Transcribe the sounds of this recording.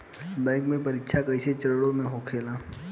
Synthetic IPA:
bɛ̃ɪkmẽpɐɾɪkːʃʰakəɪset͡ʃɐɾɽõmẽɦoːkʰeːlaː

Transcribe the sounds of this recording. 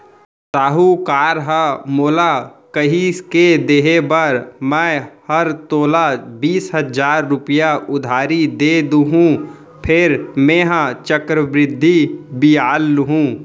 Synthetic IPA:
saːɦukaːɾɦəmoːlakəɦiked̪eːɦebəɾmɛ̃ːhəɾt̪oːlabiːsɦəd͡ʒaːɾːʊpɪjaʔʊd̪ʱaːɾid̪eːd̪uɦũ | pʰɪɾmẽːɦãt͡ʃəkɾəbɾɪd̪ʱːibiaːlːɦũː

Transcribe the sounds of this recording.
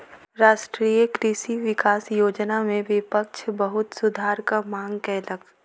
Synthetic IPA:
ɾaːʃʈɾiːjəkɾiʃiʋɪkaːsjoːd͡ʒnamẽʋɪpəkʃbɐɦʊt̪sʊd̪ʱaːɾkamãːŋɡkɛːlək

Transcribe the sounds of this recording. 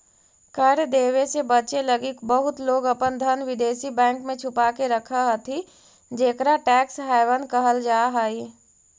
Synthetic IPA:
kəɾd̪eːwesebət͡ʃeləɡikbəɦʊt̪loːɡəpənd̪ʱənʋɪd̪eːsibɛ̃ːŋkmẽt͡ʃʰʊpaːkeɾəkʰaɦət̪ʰi | d͡ʒeːkɾaʈɛːksɦaːɪʋənkəɦəld͡ʒaːɦaːi

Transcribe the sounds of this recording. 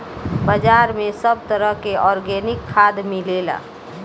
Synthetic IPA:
bəd͡ʒaːɾmẽsəb̚t̪əɾəɦkeʔɔːɾɡɛnɪkʰːad̪milela̰

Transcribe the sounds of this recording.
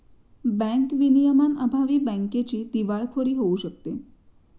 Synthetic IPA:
bɛ̃ŋkʋinijəmanə̰bʱaʋibɛ̃ŋket͡ʃid̪iʋaɭkʰoɾiɦouʃəkt̪e

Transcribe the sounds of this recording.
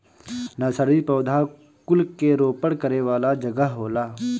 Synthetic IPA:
nɐsəɾipɐːd̪ʱa | kʊlkeɾoːpəɽkəɾeʋaːlad͡ʒɐɡəɦɦoːlaː

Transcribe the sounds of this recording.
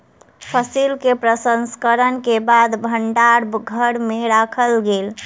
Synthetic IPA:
pʰəsilkepɾəsənskəɾənkebad̪bʱəɳɖaɾbɡʱəɽmeɾakʰəlɡel

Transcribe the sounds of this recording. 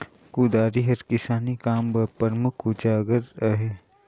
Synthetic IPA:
kuːd̪aːɾiɦɐɾkɪsaːnikaːmbɐpɐɾmʊkʰud͡ʒaːɡəɾɐɦe

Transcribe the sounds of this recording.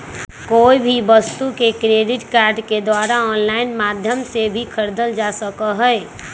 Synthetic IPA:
koːibʱibəst̪ukekɾeːɖɪʈkaːɾɖked̪waːɾaɔːnlaɪnmaːd̪ʱjəmsebʱikʰəɾd̪əld͡ʒasəkəɦɛɛ

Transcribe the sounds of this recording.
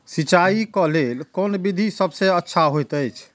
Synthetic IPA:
sit͡ʃaikɔlelkonbid̪ʱisəbʱsẽətːʃʰaɦojt̪əjt͡ʃʰ

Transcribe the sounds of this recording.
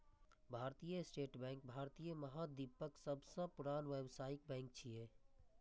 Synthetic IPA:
bʱaːɾt̪ijəsʈeːʈbɛ̃ːŋk̚bʱaːɾt̪ijəməɦad̪ipəksəbsə̃pʊɾaːnʋeʋsaːɪk̚bɛ̃ːŋk̚t͡ʃʰieː

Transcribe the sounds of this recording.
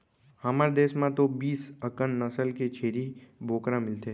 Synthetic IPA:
hɐməɾd̪eːsmãt̪obiːsəkənːɐsəlket͡ʃʰeːɾibʱoːkɾãmɪlt̪e

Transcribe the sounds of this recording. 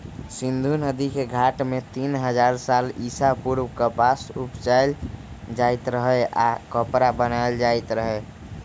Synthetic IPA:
sind̪ʱunəd̪ikeɡʱaʈmet̪inɦəd͡ʒaɾsalisapuɾwkəpasupt͡ʃal | d͡ʒajt̪ɾəɦəakəpɾabənaeld͡ʒajt̪ɾəɦə

